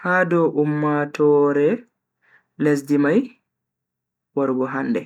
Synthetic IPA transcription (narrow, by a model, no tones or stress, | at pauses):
haːdɔʔumːatɔːɾɛ | les̬dimaj | waɾɡɔɦandɛ